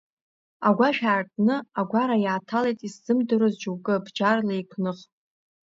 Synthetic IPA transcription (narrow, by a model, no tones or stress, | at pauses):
aɡʷaʃᶣaːrtʼnɨaɡʷaɾajaːtʰalejtʼisz̥ɨmdɨɾɨzd͡ʒuwɡʼɨbd͡ʒarlajkʷʰnɨχ